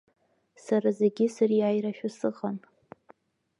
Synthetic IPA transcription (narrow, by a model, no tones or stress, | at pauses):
saɾazeɡʲɪsariajɾaʃᶣʊsɨqʼan